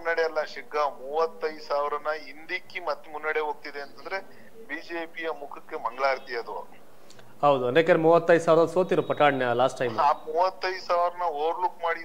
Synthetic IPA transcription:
unːɐɽejɐlːɐʃiɡɐmuːʋɐt̪ːɐjd̪saːʋɾɐnːɐind̪ikːimɐt̪ːemunːɐɽeɦoːɡ̚t̪id̪eːnt̪ɐnd̪ɐɾe | biːd͡ʒeːpijɐmukʰɐkːemɐŋɡɭaːɾt̪ijɐd̪u | hɐwd̪uɐnekɐɾmuːʋɐt̪ːɐjd̪usaːʋɾɐdɐsoːt̪iɾupɐʈaːɖnɐlaːsʈːɐjmːmuːʋɐt̪ːɐjd̪usaːʋɾɐnːɐoːɾlukmaːɽi

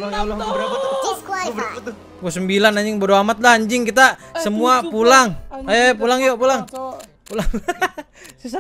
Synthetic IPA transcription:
ɡosəmbilanaɲd͡ʒɪŋbodoamat̪̚lahaɲd͡ʒɪŋkit̪asəmuapulaŋajap̬ulaŋjopulaŋ | pulaŋ

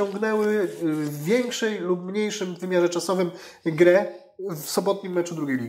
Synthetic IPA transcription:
ɔ̃ŋɡnɛwɘvːʲjɛŋkʂɛjlup̚mɲejʂɘmvɘmʲjaʐɛt͡ʂasɔvɘmɡɾɛ | vsɔbɔt̪̚ɲimːɛt͡ʂud̪ɾuɡʲejlʲi

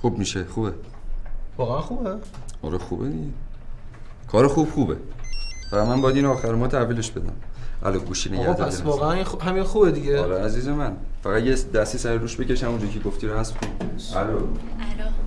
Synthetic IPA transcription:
xubmiːʃexube | vɒːɣeænxubæɒɾexuːbed̪iɟe | kʰɒːɾexub̥xuːbḛfæʁæd̪mænbɒjæd̪iːnɒːxæɾemɒt̪ʰæviːleʃb̥e̞d̪æ̰mʔæ̰loɡuːʃiːneɟæɾd̪æsoːɒːɣeæninɦæminxuːbed̪iɟeleæziːzemænfæɣæd̪jesd̪æst̪iːsæɾeɾuːʃbe̞ce̞ʃæmond͡ʒɒːcʰeɡoft̪iːɾohæst̪xubælol

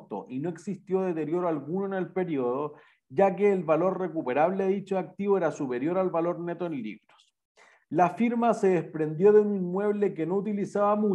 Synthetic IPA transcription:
t̪o̰ʔino̞e̞ksist̪jo̞ðet̪e̞ɾjo̞ɾoalɣunoene̞lpe̞ɾioð̞o̞ | ʝak̬eːlβalo̞ɾre̞kupe̞ɾaβleaðit͡ʃoak̚t̪iβoeɾasupe̞ɾjo̞ɾalβalo̞ɾne̞t̪oenlḭβɾo̥s | lafiɾmase̞ðespɾe̞nd̪jo̞ðeuninmwe̞βlekeno̞ut̪ilisaβamu

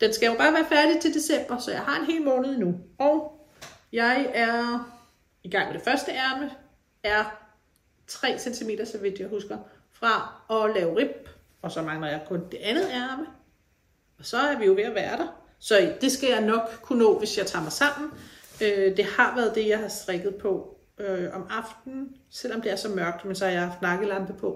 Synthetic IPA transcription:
d̥ensɡ̥æjo̝b̥ɑ̈ːʋæːɐfæɐd̥it͡sʰe̝ld̥e̝sem̰b̥ɐsɒ̽jɑ̈ɪɦɑ̈e̝nɦe̝̰ːlmɔːnəð̞̩ˠinuɒʊ | jɑ̈ɪæɐ | iɡ̥ɑ̈ŋ̰meɾ̥e̝fɶɐsd̥əæɐmə | æɐ | t͡sʰʁɛ̰ːsent͡sʰime̝̰ːd̥ɐsɒ̽ʋid̥jɑ̈ɪhusɡ̥ɐ | fʁɑ̈ɒ̽lɛːʊʁib̥̚ | ɒ̽sɒ̽mɑ̈ŋlɐjɑ̈ɪkʰɔ̽nd̥e̝ʔænð̩ˠæɐmə | ɒ̽sɒ̽æɐʋijo̝ʋe̝æʋæːɐɾ̥ɑ̈ | sɒ̽d̥e̝sɡ̥æjɑ̈ɪnɒ̽ɡ̥kʰːunɔ̰̽ːʋe̝sjɑ̈ɪt͡sʰɑ̰̈ːmɑ̈ɪsɑ̈m̰n̩ød̥e̝hɑ̈ʋæɐð̞̩ˠd̥e̝jɑ̈ɪɦhɑ̈sd̥ʁɛɡ̥ð̞̩ˠpʰɒ̽ | øɒ̽mɑ̈fd̥n̩ | sel̰ɒ̽md̥e̝æɐsɒ̽mɶɐɡ̥̚d̥mensɒ̽hɑ̈jɑhɑ̈fd̥nɑ̈ɡ̥əlɑnb̥əpʰɒ̽

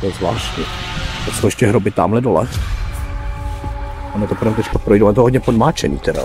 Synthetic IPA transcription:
t̪ɛzvla̰ːʃtɲɛ | t̪osowɛʃcɛɦɾobɪt̪a̰ːmlɛdolɛ̰ | anɛt̪opoɾɛmt̪ɛckapɾojdowʔanɛt̪oɦod̪ɲɛpodmaːt͡ʃɛnḭːt̪ɛɾa̰

